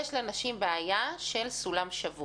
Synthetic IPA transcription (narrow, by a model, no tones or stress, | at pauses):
jeʃlenaʃimbeajaʃe̞lsulamʃavu